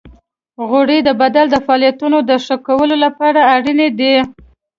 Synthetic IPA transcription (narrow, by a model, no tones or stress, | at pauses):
ɣoɽid̪əbad̪ald̪əfɑlijat̪unod̪əʂəkawəlolapɑɽaːɽined̪i